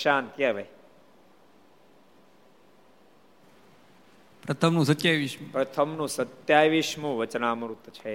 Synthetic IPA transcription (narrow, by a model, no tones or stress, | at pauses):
ʃaːnt̪jɐʋɐj | pɾɐt̪ʰəmnũsət̪jajʋiʃmupɾɐt̪ʰəmnũsət̪jaːjʋiʃmuʋət͡ʃnaːmɾut̪ːt͡ʃʰe